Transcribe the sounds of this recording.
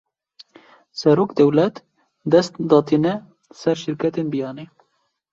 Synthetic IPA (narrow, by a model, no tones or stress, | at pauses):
sɛɾoːkd̪ɛwlɛt̪ | d̪ɛst̪d̪ɑːt̪inɛ | sɛɾʃɪɾkʰɛt̪enbijɑːneː